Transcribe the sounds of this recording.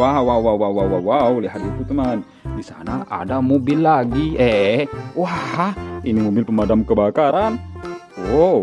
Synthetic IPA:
awawawawawawawliɦat̪it̪ut̪əman | disa̰naʔa̰damobɪlːaɡiɛwahinimobɪlpəmadamkəbakaɾan | o

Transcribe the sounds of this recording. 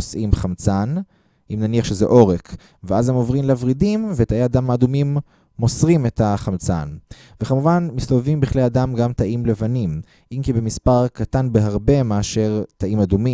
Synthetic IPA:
osʔimχamt͡san | imnaniaχʃezḛʔo̞ʁek | veazhemo̞vʁimleavʁidimvet̪aeadamaːdumimː | o̞sʁime̞taχamt͡sa̰n | vekamuvanmist̪ovevimbiχlejadamɡamtaʔimle̞vanim | ʔimkibemispaʁkatanbeɦaʁbe̞meaʃe̞ʁt̪aʔimadumi

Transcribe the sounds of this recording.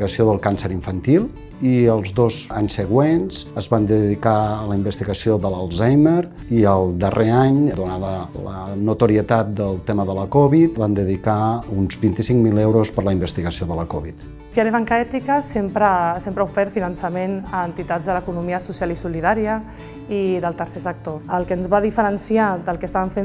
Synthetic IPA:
ɣəsioðəlˠkansəɾiɱfənt̪ilˠ | iəlˠzðozaɲsəɣwenzəzβand̪əðikaələimbəst̪iɣəsioðəlalˠzajmeɾ | iəlˠd̪ərʔeaɲd̪unaðələ̰nut̪uɾiət̪at̪̚d̪əlˠt̪eməðələkɔβit̪band̪əðikaunzbint̪isiŋmilewɾospəɾləimbəst̪iɣəsioðələkɔβit̪ | fjɛɾeβ̞aŋkəɛt̪ikəsempɾəsempɾəufɛɾt̪finənsəmenəːnt̪it̪azðələkunumiəsusialisuliðaɾiə | iðəlˠt̪əɾsɛsək̚t̪oəlˠkənzβaðifəɾənsiad̪əlˠkəst̪aβəɱfe

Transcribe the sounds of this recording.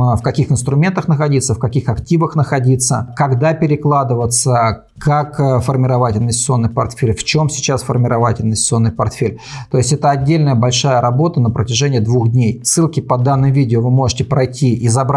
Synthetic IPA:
fkɐkʲixɨnst̪ɾʊmʲe̞nt̪əxnəxɐdʲit̪səfkɐkʲixɐktʲivəxnəxɐdʲit̪sə̰kɐɡd̪apʲɪɾʲɪklˠad̪ɨvət̪sə | kʰakfərmʲɪɾɐvatʲɪnʲɪsʲsɨo̞nːɨjpɐrt̪fʲelʲft͡ɕo̞msʲɪ̥t͡ɕasfərmʲɪɾɐvatʲɪlʲnʲɪsʲt̪sɨo̞nːɨjpɐrt̪fʲelʲ | t̪o̞ɪsʲtʲɛt̪əɐdʲːelʲnəjəbɐlʲʂajəɾɐbo̞t̪ənəpɾətʲɪʐɛnʲɪjəd̪vuxd̪ʲnʲejsːɨlˠkʲɪpɐd̪anːɨmvʲidʲɪovɨmo̞ʐɨtʲɪpɾɐjtʲʰiɪzɐbɾ

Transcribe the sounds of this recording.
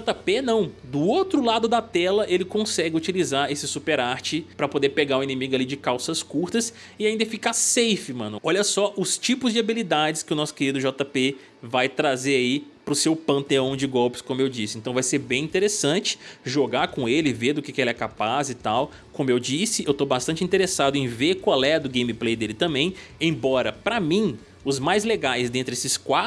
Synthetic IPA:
ʒɔt̪apenɐ̃w̃d̪ʊowt̪ɾʊlad̪ʊd̪ɐt̪ɛlɐʔelɪkõsɛɡʲɪut͡ʃilizaɾesɪsupeɾaɾt͡ʃɪpɾɐpod̪eɾpeɡaũĩnẽmiɡʊalid͡ʒɪkawsɐskuɾt̪ɐs | ɪaĩnd̪ɐfikasejfɪmɐ̃nʊɔʎɐsɔʔʊst͡ʃipʊzd͡ʒɪabilid̪ad͡ʒɪskɪʊnɔsʊ̥keɾid̪ʊʒɔt̪ape | vajt̪ɾazeɾaipɾʊsewpɐ̃nt̪eɐ̃w̃d͡ʒɪɡɔwpɪ̥skõmʊewd͡ʒisɪẽnt̪ɐ̃w̃vajseɾbẽj̃ĩnt̪eɾesɐ̃t͡ʃɪ̥ʒoɡakõelɪɪveɾd̪ʊkekɪelɛkapazɪt̪aw | kõmʊewd͡ʒisɪewt̪obast̪nt͡ʃɪĩt̪eɾesad̪ʊẽj̃veɾkwalɛd̪ʊɡẽj̃miplejd̪elɪt̪ɐ̃mbẽj̃ẽj̃bɔɾɐpɾɐmĩ | ʊzmajzleɡajzd̪ẽnt̪ɾɪesɪskwa

